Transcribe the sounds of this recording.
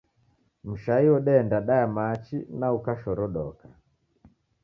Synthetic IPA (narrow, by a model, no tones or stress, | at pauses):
m̩ʃaiɔɗɛːndaɗajamat͡ʃinaukaʃɔɾɔɗɔka